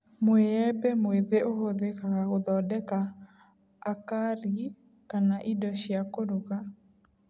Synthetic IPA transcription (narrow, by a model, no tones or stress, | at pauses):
mweɛbemweðeoɦoðekakaɣoðɔdɛkaː | kaɾi | kanaʔidɔʃjakoɾuɣa